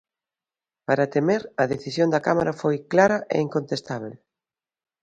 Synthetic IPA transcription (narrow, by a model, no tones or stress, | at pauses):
paɾat̪emeɾɐðeθisjond̪ɐkamaɾafojklaɾɐʔḛiŋkont̪est̪aβ̞el